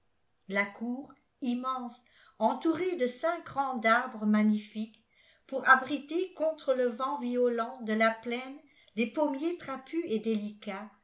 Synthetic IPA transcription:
lakʰuːʁ | imɑ̃s | ɑ̃t̪uʁed̪əsɛ̃kɡʁɑ̃d̪aʁbʁəmaɲifik | puʁabʁit̪ekɔ̃t̪χələvɑ̃viɔlɑ̃d̪əlaplɛn | lepomjet̪χapyed̪elika

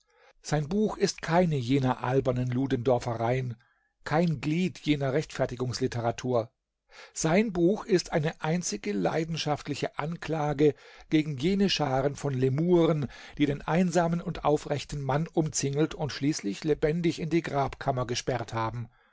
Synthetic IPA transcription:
z̥aɪnbuːxɪstkʰaɪnəjeːnɐʔalbɐnənluːdəndɔɐfəʁaɪən | kʰaɪnɡliːtʰjeːnɐʁɛçtfɛɐtɪɡʊŋslɪtʰəʁatʰuːɐ | z̥aɪnbuːxɪstʔaɪnəʔaɪnt͡sɪɡəla̰ɪdn̩ʃaftlɪçəʔankl̥aːɡəɡ̥eːɡŋ̩jeːnəʃaːʁənfɔnlemuːʁənd̥iːɾeːnʔaɪnzaːmənʊntʔa̰ʊfʁɛçtn̩manʔʊmt͡sɪŋl̩tʰʊntʃliːslɪçlebɛndɪçɪndiːɡʁaːpkʰamɐɡəʃpɛʁthaːbm̩

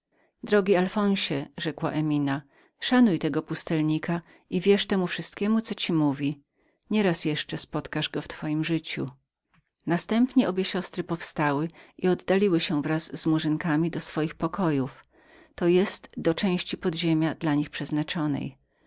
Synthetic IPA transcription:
d̪ɾɔɡʲialfɔ̃w̃ɕɛʐɛkwa̰ʔɛmʲina | ʂanujt̪ɛɡɔpust̪ɛlɲika | ivʲjɛʂt̪ɛmufʂɨst̪kʲɛmut̪sɔt͡ɕimuvʲi | ɲɛɾasjɛʂt͡ʂɛspɔt̪kaʐɡɔft̪fɔjimʐɘt͡ɕṵ | nast̪ɛmpɲɛɔbʲjɛɕɔst̪ɾɘpɔfst̪awɘʔiɔd̪ːalʲiwɘɕɛvɾazzmuʐɘŋkamʲid̪ɔsfɔjixpɔkɔjuf | t̪ɔjɛst̪d̪ɔt͡ʂɛ̃w̃ɕt͡ɕipɔd̪ʑemʲjad̪laɲixpʂɛznat͡ʂɔnɛ̰j

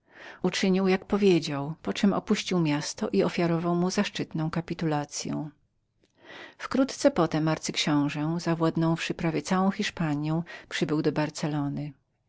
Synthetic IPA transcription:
ut͡ʂɘɲiwjak̚pɔvʲjed͡ʑawpɔt͡ʂɘmɔ̰puɕt͡ɕiwmʲjast̪ɔʔiɔfʲjaɾɔvawmuzaʂt͡ʂɘt̪nɔ̃w̃kapʲit̪ulat̪sʲjɔ̰̃w̃ | fkɾut̪t̪sɛpɔt̪ɛmaɾt̪sɘkɕɔ̃w̃ʐɛzavwad̪nɔ̃w̃fʂɘpɾavʲjɛt̪sawɔ̃w̃xʲiʂpaɲjɔ̃w̃pʂɘbɘwd̪ɔbaɾt̪sɛlɔnɘ

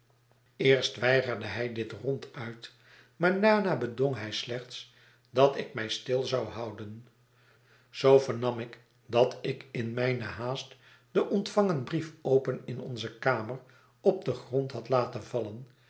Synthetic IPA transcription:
ɪːɹstʋɛjχəɹdəɦɛjdɪtrɔntʰœɥt | maːɹdaːnaːbədoŋɦɛjslɛχts | dɑtɪk̚mɛjstɪlˠzɑwhɑwdən | z̥owvəɹnɑmɪk | dɑtɪkɪnmɛjnəɦaːst | d̥əʔɔntfɑŋənbrifowpənɪnɔ̰nzəkaːmər | ɔp̚dəχrɔntɦɑtlaːtənvɑlən

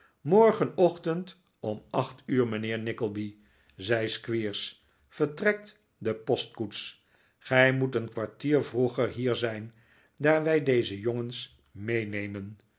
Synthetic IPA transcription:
mɔɹχənɔχtənt | ɔmɑχtyːɹmənɪːɹnɪkəlˠbi | zɛjskʋiːɹs | fəɹtrɛk̚t | dəpɔstkuts | χɛjmutənkʋaɹtiːɹvruχəɹɦiːɹzɛjn | daːɹʋɛjdejzəjɔŋəns | mejnejmən

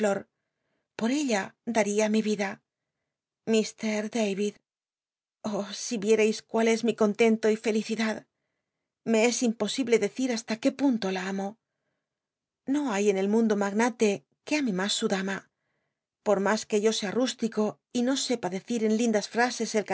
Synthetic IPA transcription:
lo̞ɾ | po̞ɾe̞ʎad̪aɾiamiβiða | mist̪e̞ɾðejβið | osiβje̞ɾejskwale̞zmiko̞nt̪e̞nt̪o̞ife̞liθiðað | me̞e̞simpo̞siβle̞ðe̞θiɾast̪ake̞punt̪o̞laamo̞ | no̞aje̞ne̞lmũnd̪o̞maɣnat̪e̞ | ke̞amimasːuðama | po̞ɾmaske̞ʝo̞se̞arust̪iko̞ | ino̞se̞paðe̞θiɾe̞nlind̪asfɾase̞se̞lk

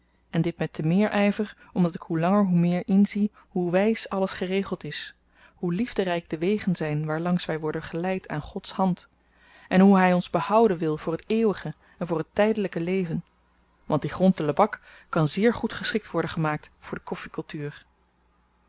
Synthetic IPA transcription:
ɛndɪt̚mɛtəmɪːɹʔɛjvər | ɔmdɑtɪkɦulɑŋəɹɦumɪːɹɪnzi | huʋɛjsɑləsχərejχəlˠtɪs | hulivdərɛjɡ̚dəʋejχənzɛjnʋaːɹlɑŋsʋɛjʋɔɹdənχəlɛjtʰaːnχɔtshɑnt | ʔɛnɦuɦɛjɔnzbəhɑwdənʋɪlˠv̥ʊːɹɦəteːwəχə | ɛnvʊːɹɦətɛjdələkəlejvən | ʋɑnt̚d̥iχrɔntələbɑkː | ɑnzɪːɹχutχəsχɪk̚tʋɔɹdəχəmaːk̚tfʊːɹdəkɔfikɵlˠtyːr

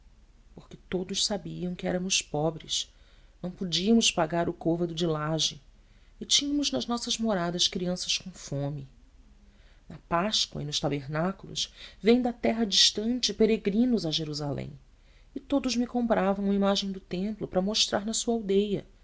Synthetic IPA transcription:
poχkɪt̪od̪ʊʃsabiɐ̃w̃kɪɛ̰ɾɐmʊspɔbɾɪʃ | nɐ̃w̃pod͡ʒiɐmʊʃpaɡaɾʊkovɐd̪ʊd͡ʒɪlaʒɪ | ɪt͡ʃĩɲɐmʊznɐʒnɔsɐzmoɾad̪ɐskɾiɐ̃sɐ̥skõfõmɪ | nɐpaʃkwɐ̰ɪnʊʃt̪abeɾnakulʊ̰ʃvẽj̃d̪ɐt̪ɛɦɐd͡ʒiʃt̪ɐ̃nt͡ʃɪpeɾeɡɾĩnʊzɐʒeɾuzalḛ̃j̃ | ɪt̪od̪ʊzmɪkõmpɾʔavɐ̃w̃umɐimaʒẽj̃d̪ʊt̪ẽmplʊpɾɐmoʃt̪ɾʔa̰ɾnɐsuɐawd̪ejɐ̰

